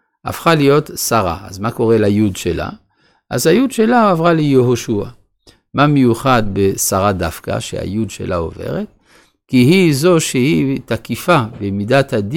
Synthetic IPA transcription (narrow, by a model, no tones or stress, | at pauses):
ʔa̰fχalijo̞t̪saʁa̰azmako̞ʁe̞lajudʃela̰ | ʔazhajud̪ʃe̞laavʁalejeɦoʃua̰ | mamejuχad̪besaʁadafka̰ʃḛha̰jud̪ʃe̞̰lʔao̞̰ve̞̰ʁet̪ | kiɦizo̞ʃehit̪akifabemidat̪had̪